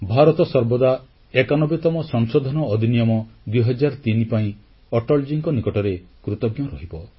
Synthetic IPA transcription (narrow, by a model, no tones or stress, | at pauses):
bʱaɾɔt̪ɔsɔɾbɔd̪a | ekanɔbet̪ɔmɔsɔŋsɔd̪ʱɔnɔːd̪ʱinijɔmɔd̪wiɦɔd͡ʒaɾt̪inipaĩ | ɔʈɔld͡ʒiŋkɔnikɔʈɔɾekɾut̪ɔɡjɔɾɔɦibɔ